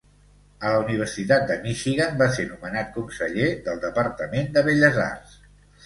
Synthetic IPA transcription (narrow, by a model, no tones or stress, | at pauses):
ələuniβ̞ərsit̪at̪̚d̪əmiʃiɣəmbaseɾnumənat̪̚kunsəʎeðəlˠd̪əpəɾt̪əmend̪əβeʎəza̰rs